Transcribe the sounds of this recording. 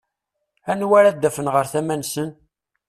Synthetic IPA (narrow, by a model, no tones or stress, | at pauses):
ænwæɾæd̪ːæfənʁəɾθæmænsən